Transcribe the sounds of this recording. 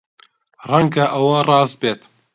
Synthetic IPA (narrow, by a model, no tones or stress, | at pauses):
rɐŋɡaʔɐwɐrɑːz̚beːt̪